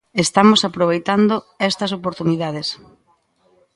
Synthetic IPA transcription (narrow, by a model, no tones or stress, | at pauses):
est̪amosapɾoβ̞ejt̪and̪o | ɛst̪ɐs̬opoɾt̪uniðað̞es